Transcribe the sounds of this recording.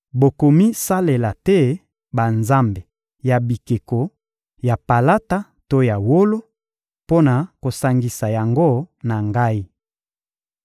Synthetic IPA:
bo˨ko˨mi˦sa˦le˨la˨tɛ˦ | ba˨nza˦mbe˨ | ja˨bi˨ke˨ko˨ | ja˨pa˨la˦ta˦ | to˦ja˨wo˦lo˦ | po˦na˨ko˨sa˨ŋɡi˨sa˨ja˨ŋɡo˦na˨ŋɡa˦i˦

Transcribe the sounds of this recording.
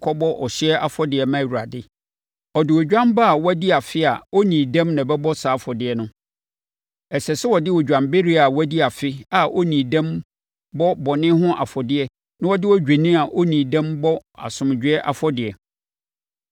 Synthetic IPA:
kʰɔ˦bɔ˦ʔɔ˨ɕɪ˦ɛ˦ʔa˨fɔ˦dɪ˨ɛ˨mã˦˨wu˨ɾa˨dɪ˦ | ɔ˨dɪ˨wɔ˨d͡ʑᶣã˦mba˦a˨wɔ˦a˦di˦a˨fɪ˦a˨o˦nĩː˨dã˦mnã˨bɛ˦bɔ˦saː˨˦fɔ˨dɪ˨ɛ˨nʊ̃˦ | ɛ˨sɛ˨sɛ˦wɔ˨dɪ˦wɔ˨d͡ʑᶣã˨mbe˦ɾi˦a˨wæ˦di˦a˨fɪ˦a˨ʔo˦nĩː˨dã˦m | bɔ˦bɔ˨nɪ̃˦ɦʊ̃˦ʔa̰˨fɔ˨dɪ˨˦ɛ˦ | nã˦wɔ˦dɪ˦wɔ˦d͡ʑᶣa˨nĩ˦a˨ʔo˦nĩː˨dã˦mbɔ˦a̰˨sʊ̃˨m˨d͡ʑᶣɪ˦ɛ˦ʔa̰˨fɔ˦dɪ˨ɛ˨

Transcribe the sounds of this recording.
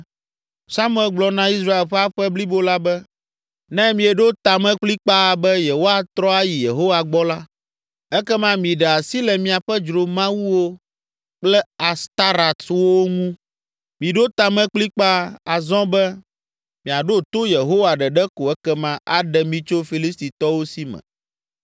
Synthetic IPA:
sa˦m˦ɛ˨lɡ͡blɔ˨nã˦i˦s̬ɾa˦e˨lɸɛ˦a˦ɸɛ˦bli˦bo˦la˦bɛ˦ | nɛ̃˦mĩ˨ɛ˨ɖo˦t̪a˨mɛ̃˦k͡pli˦k͡pa˦˨bɛ˦je˨wo˦a˨t̪ɾɔ˦a˦ji˨je˨ɦo˦wa˨ɡ͡bɔ˦la˦ | ɛ˦kɛ˦mã˦mĩ˨ɖɛ˨a˨si˦lɛ˨mĩ˨a˨ɸɛ˦d͡ʒɾo˨mã˦wu˦wo˦ | k͡plɛ˦a˨st̪a˦ɾa˨t̪wo˦ŋũ˦ | mĩ˨ɖo˦t̪a˨mɛ̃˦k͡pli˦k͡pa˦a˨zɔ̃˦bɛ˦ | mĩ˨a˨ɖo˦t̪o˦je˨ɦo˦wa˨ɖɛ˨ɖɛ˦ko˨ɛ˦kɛ˦mã˦ʔa˨ɖɛ˨mĩ˦t͡ʃo˦fi˨li˦st̪i˨t̪ɔ˦wo˦si˦mɛ̰̃˨

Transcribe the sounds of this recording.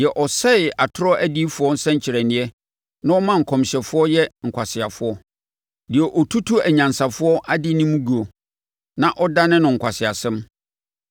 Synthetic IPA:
jɛ˨ʔɔ˨sɛ˦ɪ˨a˨tʰʊ˦ɾɔ˦ʔæ˦di˦fʊ˨˦ɔ˦n̩˦sɛ̃˦ɲ̩˦t͡ɕʰɪ˨ɾɛ˨nɪ̃˦ɛ˦ | nã˦ɔ˦mã˦ŋ̩˨kʰɔ̃˨m˨ɕɛ˨fʊ˦ɔ˦jɛ˦ŋ̩˨kʷʰa˨sɪ˨a˨fʊ˦ɔ˦ | dɪ˨ɛ˨ʔɔ˨tʰu˦tʰu˦æ˨ɲã˨nsa˨fʊ˦ɔ˦ʔa˦dɪ˦nĩ˦mũ˦ɡu˨ɔ˨ | nã˦ʔɔ˦da˦nɪ̃˦nʊ̃˨ŋ̩˨kʰʷa˨sɪ˨a˨sɛ̃˦m

